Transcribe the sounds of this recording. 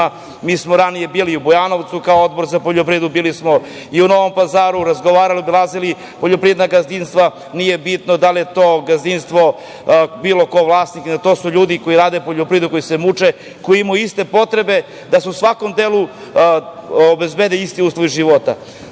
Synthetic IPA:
miːsmoɾanije̞biːliubojano̞ʋt̪sukaood̪̚boɾzapoʎopɾiːd̪ubiːlismo | iuno̞ʋo̞mpazaːɾuɾazɡoʋaːɾalibilˠazili | poʎopɾied̪naɡazninst̪ʋa | nije̞bit̪nod̪alijet̪oːɡazniːnst̪ʋo̞ | biːlo̞ko̞ʋlˠaːsniknat̪o̞ːsuʎuːd̪iko̞iɾaːd̪epo̞ʎopɾiːed̪uko̞jise̞mut͡ʂe | ko̞iimajuist̪e̞po̞t̪ɾe̞be̞ | d̪asusʋako̞md̪eːlˠu | obezbed̪eist̪iuːslˠoʋiʒiʋo̞t̪a̰

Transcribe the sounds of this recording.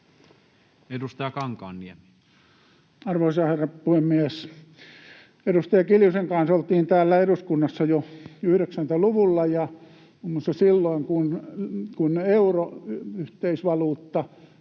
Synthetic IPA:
edust̪ɑjɑkɑŋkɑ̰ːnːiemi̥ | ɑrʋoˑisɑherːɑpuhemːies | edust̪ɑjɑkiljuseŋkɑnsolt̪iːnt̪æːlːæeɾuskunːɑsːɑjoyhɾeksænt̪æluʋulːɑjɑ | umːusːɑsilːoiŋkunkuneuroyht̪eisʋɑluːt̪ːɑ

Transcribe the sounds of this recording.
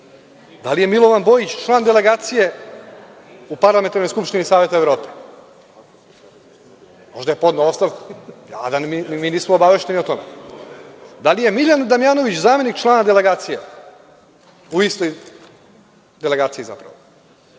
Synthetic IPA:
d̪alije̞milˠo̞ʋanbo̞jit͡ɕt͡ʃlˠaːnd̪ele̞ɡaːt̪sije̞ | upaɾlament̪aɾnojskupʃt̪inisaːʋe̞t̪aeʋɾo̞ːpe̥ | mo̞ʒd̪ajepo̞d̪naost̪aʋku̥a̰d̪animiːniːsmoobaʋe̞ʃt̪e̞niot̪o̞mḛ | d̪alije̞miʎand̪amjaːno̞ʋit͡ɕzaːme̞nikt͡ʃlˠaːnad̪ele̞ɡaːt̪sije | uist̪o̞j | d̪e̞le̞ɡaːt̪siiza̰pɾa̰ʋo

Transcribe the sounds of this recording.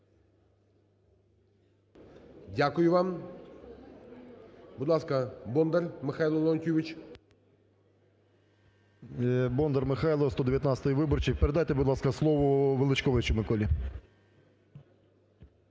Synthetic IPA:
dʲakʊjʊvam | bʊd̪lˠaskɐbɔnd̪ərmɪxajlˠɔlˠɔntʲuʋʲit͡ʃ | bɔnd̪ərmɪxajlˠɔst̪ɔd̪ʲɪvʲjɐt̪nat̪sət̪ɨjʋɪbɔrt͡ʃɪkpɪɾʲɪd̪ajt̪ɛbʊd̪lˠɑskɐslˠɔʋɔʋɨlˠɪt͡ʃkɔʋɐt͡ʃɪmɪkɔlʲi

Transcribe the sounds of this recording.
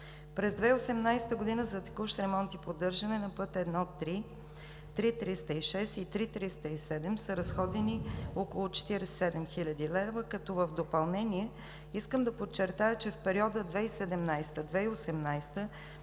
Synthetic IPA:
pɾɛzd̪vɛiosɛmnajst̪əɡod̪inəzɐt̪ɛ̥kuʃt̪ɾɛmɔnt̪ipod̪ɤɾʒɐnɛnɐpɤt̪ɛd̪nɔot̪ːɾi | t̪ɾit̪ɾist̪əiʃɛsit̪ɾit̪ɾist̪əisɛd̪ɛmsəɾɐsxɔd̪ɛniokolˠʊt͡ʃɛ̥t̪iɾɛssɛd̪ɛmxilʲɐd̪ilɛvəkɐt̪ɔvəvd̪opɐlˠnɛniɛ | iskəmd̪ɐpot͡ʃːɛɾt̪ajət͡ʃɛfpɛɾiɔd̪əd̪vɛisɛd̪ɛmnajst̪əd̪vɛiosɛmnajst̪ə

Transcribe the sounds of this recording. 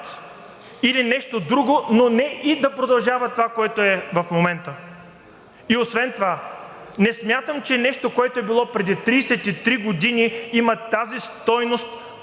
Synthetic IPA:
t̪ | ilinɛʃt̪od̪ɾuɡononɛʔid̪ɐpɾod̪ɐlˠʒavət̪ovakoɛt̪oɛvɐfmomɛnt̪ə | iosvɛnt̪ovanɛsmʲjat̪əmt͡ʃɛnɛʃt̪okoɛt̪oɛbilˠɔpɾɛd̪it̪ɾiːsɛt̪it̪ɾiɡod̪iniimət̪azist̪ɔjnost̪̚

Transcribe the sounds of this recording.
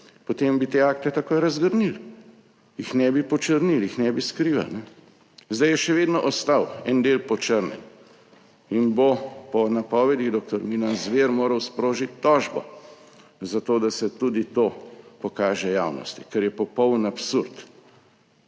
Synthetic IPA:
pɔt̪embit̪eaːk̚t̪ɛt̪akoːjɾɐzɡəɾnil | jixnɛbipɔt͡ʃəɾniljixnɛbiskɾiːʋa̰lnɛ | zd̪ajɛʃɛʋeːd̪nɔʔɔst̪awɛnd̪eːlpɔt͡ʃəɾnɛ̰n | inbopɔnapɔːʋɛd̪iɣd̪ɔk̚t̪ɔɾmiːnanzʋeːɾmoːɾɐwspɾoːʒit̪ʲːɔːʒbɔ̰ | zat̪oːd̪asɛt̪ud̪it̪oːpɔkaːʒɛjaːwnɔ̰st̪ikɛɾjɛpɔpɔwnapsuɾt̪

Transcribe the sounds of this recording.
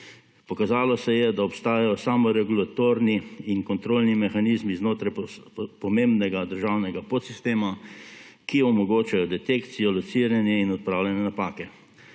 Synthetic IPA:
pɔkazaːlɔsɛjɛd̪aɔpst̪aːjajɔsaːmɔɾɛɡulat̪oːɾniiŋkɔnt̪ɾoːlnimɛxaniːzmiznoːt̪ɾajpɔmembnɛɡad̪əɾʒawnɛɡapot̪sist̪eːma | kiɔmɔɡoːt͡ʃajɔd̪ɛt̪ekt̪sijɔlɔsiɾjanjɛinɔt̪̚pɾawljɛnɛnapaːkɛ

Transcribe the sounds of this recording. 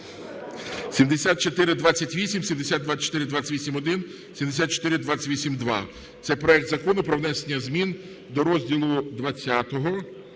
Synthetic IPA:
sʲimd̪esʲat̪̚t͡ʃot̪ɪɾɪd̪ʋat͡sʲːɐtʲʋʲisʲimsʲimd̪esʲat̪d̪ʋat͡ʃɔ̥t̪ɪɾɪd̪ʋat͡sʲɐ̥tʲʋisʲimɔd̪ɪn | sʲimd̪es̬ʲat̪t͡ʃɔ̥t̪ɪɾɪd̪ʋat͡sʲɐ̥tʲʋʲisʲimd̪ʋɑ̰ | t̪sɛpɾɔɛk̚t̪zɐkɔnʊpɾɔʋnɛsenʲːɐzmʲin | d̪ɔɾɔzʲdʲilˠʊd̪ʋɐt͡sʲːat̪ɔɦɔ

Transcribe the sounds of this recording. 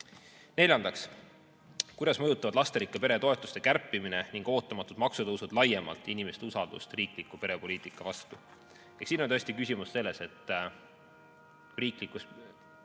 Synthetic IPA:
ne̞lʲjɑnd̪ɑks | kujd̪ɑsmɤjut̪ːˑɑvɑd̪̥lɑst̪eɾikːˑepe̞ɾe̞t̪o̞e̞t̪ːˑu̥st̪ekærpːˑimineniŋɡ̥o̞ːt̪ːˑɑmɑt̪ːˑud̪mɑksud̪̥ɑusud̪lɑjːe̞mɑ̰lt̪ːˑinime̞st̪eusɑld̪̥ṵst̪riːkˑlikːˑupe̞ɾe̞po̞liːt̪ˑikːˑɑvɑst̪u | jeksiːnonʲt̪øsʲt̪ikysʲimusse̞lːe̞se̞t̪ːˑ | riːklikːˑus

